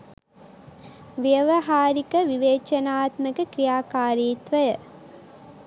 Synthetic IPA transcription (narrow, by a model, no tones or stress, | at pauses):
ʋjəʋɐɦaːɾikəʋiʋeːt͡ʃɐnaːt̪məkəkɾijaːkaːɾiːt̪ʋəjə